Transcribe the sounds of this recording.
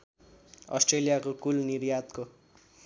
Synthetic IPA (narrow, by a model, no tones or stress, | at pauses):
ʌ̰sʈrelijakokulniɾjat̪ko